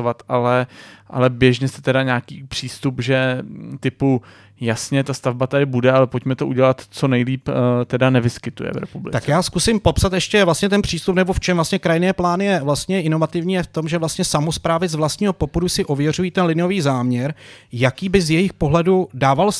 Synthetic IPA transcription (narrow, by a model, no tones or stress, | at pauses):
ovat̪ʔalɛʔa̰lɛbjɛʒɲɛsɛ̥t̪ɛdaɲaːkiːpr̝̥iːst̪upʒɛt̪ɪpu | jasɲɛt̪ast̪avbat̪adɪbudɛalɛpo̞cmɛt̪oʔuɟɛlat̪t͡so̞nɛjliːpt̪ɛdanɛvɪskɪt̪ṵjɛ̰vɾɛ̰publɪ̰t̪at͡skjaːskusɪmpo̞psat̪jɛʃcɛvlast̪ɲɛt̪̬ɛnpr̝̥iːst̪upnɛboft͡ʃɛmvlast̪ɲɛkɾajɪnɛːplaːnɪjɛvlast̪ɲɛʔɪno̞vat̪ɪvɲiːjɛft̪o̞mʒɛvlast̪ɲɛsamospɾaːvɪzvlast̪ɲiːɦo̞po̞pudusɪʔo̞vjɛr̝ujiːt̪ɛnlɪnɪo̞viːzaːmɲɛɾjakiːbɪzjɛjɪxpo̞ɦlɛdudaːval